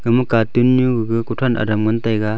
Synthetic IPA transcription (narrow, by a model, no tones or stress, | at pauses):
ɡɯmɯkatɯnːuɡɯɡɯkutʰana̰damɡɯntajɡa